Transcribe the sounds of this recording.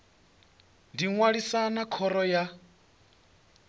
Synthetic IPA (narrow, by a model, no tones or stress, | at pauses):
ndiŋwaɺisanakʰɔɾɔja